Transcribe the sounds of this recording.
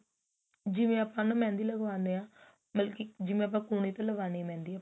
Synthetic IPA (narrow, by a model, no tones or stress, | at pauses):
d͡ʒɪʋẽːəpãːnãːmɛ̃ːnd̪iːləɡʋãːnd̪eːãː | bəlkɪd͡ʒɪʋẽːəp̬ãːkuːɳ̃iːt̪ẽləʋaːniːmɛ̃ːnd̪iː